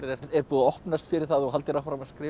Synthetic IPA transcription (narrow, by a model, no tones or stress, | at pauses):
ɛɛɾpuːðɔhpnast̪fɪɾɪɾ̥θaðɔɣɦalt̪ɪɾafɾamaskɾɪː